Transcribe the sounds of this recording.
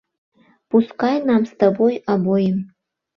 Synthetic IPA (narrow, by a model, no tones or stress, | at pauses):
puskajnamst̪abojabojɪm